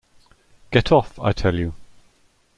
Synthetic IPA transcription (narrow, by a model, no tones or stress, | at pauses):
ɡ̥ɛtʰɒfa̰ɪtʰɛljə